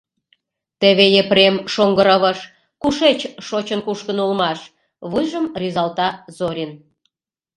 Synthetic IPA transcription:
t̪eβejepremʃoŋɡəɾəβəʃ | kuʃet͡ɕʃot͡ɕənkuʃkənulmɑʃ | βɨjʒəmrʲizɑlt̪ɑzoɾʲin

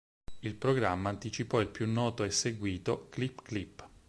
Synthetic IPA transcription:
ilpɾoɡɾamːaːnt̪it͡ʃipɔilpjunːɔːt̪oɛsːeɡwiːt̪oklipːklipː

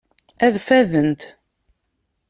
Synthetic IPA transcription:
æðfæðənt̪

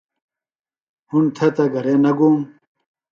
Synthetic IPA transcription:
hunt̪ʰɐt̪ɐɡɐɾeːnɐɡuːm

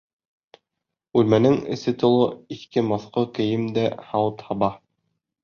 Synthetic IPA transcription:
ʉlmænɘŋɘ̰̆sɘt̪ŏlˠɤiθkɘmoθqokɘ̆jɘmd̪æhɑwɤt̪hɑβɑ

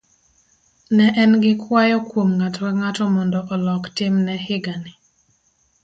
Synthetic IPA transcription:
nɛʔɛnɡɪkwajɔkwomŋatɔɛŋatɔmɔndɔʔɔlɔktɪmnɛhɪɡanɪ

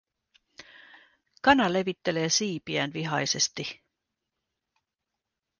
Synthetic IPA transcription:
kɑnɑle̞ʋit̪ːe̞le̞ːsiːpiænʋiɦɑjse̞st̪i

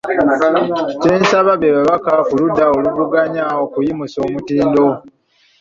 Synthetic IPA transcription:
ce̞ːnsaβaβeβaβakakuludːaoluvuɡaɲaokujimuso̞ːmutiːndo̞

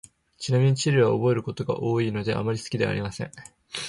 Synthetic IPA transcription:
t͡ɕinamʲiɲ̟it͡ɕiɾʲɯβaobo̞e̞ɾɯ̟ko̞t̪o̞ɡa̰ʔo̞ːiːno̞d̪e̞ʔa̰maɾʲisɨ̥kʲid̪e̞a̰ɾʲimasẽ̞̰ɴ

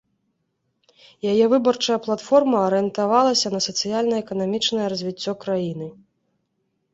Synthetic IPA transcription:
jajɛvɨbɐrt͡ʂɐjɐplˠat̪fɔrmɐːɾɨɛnt̪avalˠɐsʲɐnɐsɐt̪sɨjalʲnɐɛkɐnamʲit͡ʂnɐjɛɾɐzʲvʲit͡sʲːɔkɾajinɨ

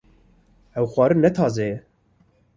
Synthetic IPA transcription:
ɛwxwɑːɾɨnɛt̪ʰɑːzɛɛ

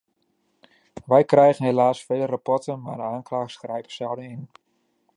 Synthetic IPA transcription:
ʋɛjkrɛjɣənɦelaːsfeːlərapɔtənmaːdəaːnklaːxsxrɛjpə̥sɛwdəɪn

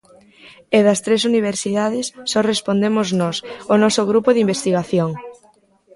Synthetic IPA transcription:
eðɐst̪ɾesuniβ̞eɾsiðaðɪsːɔrespond̪emʊznɔsonɔsʊɣɾupʊðimbest̪iɣaθjoŋ

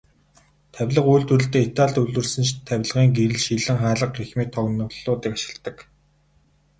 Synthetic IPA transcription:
t̪ʰæwʲɮə̆qujɮt̪wurɘ̆ɮt̪eːit̪aːɮt̪uɮwɘ̆rsɘ̆nt͡ɕt̪ʰæwʲɮə̆ʁiːŋɡiɾɘ̆ɮʃiɮɘ̆ŋχaːɮə̆qrixmiːk̚t̪ʰɔɣnə̆wɮʊːt̪iːkaʃɪ̥̆ɮt̪ːə̆k

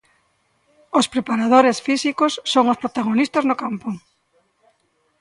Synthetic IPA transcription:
ospɾepaɾað̞oɾesfisikosːoŋospɾot̪aɣonist̪aznokampo

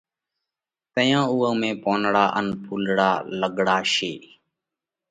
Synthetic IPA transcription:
t̪əjãːuːə̃ːmẽːpoːnɽaːʔənpʰuːlɽaːləɡɽaːʃeː

